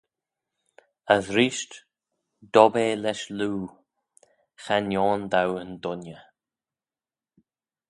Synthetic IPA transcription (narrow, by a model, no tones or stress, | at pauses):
əzɾiːʃt | d̪̥ɔbeːlɛʃluː | xanjɔːnd̪awənd̪ʊnjə